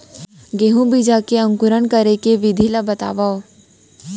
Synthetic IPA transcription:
ɡeːɦũbʱid͡ʒakeɐ̃ŋkʊɾənkɐɾekeʋɪd̪ʱilabɐt̪a̰ːʋao

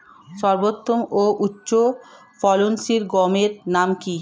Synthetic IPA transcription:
ʃɔɾbot̪ːomoʔutːɕo | fɔlonsiɾɡɔmeɾnamki

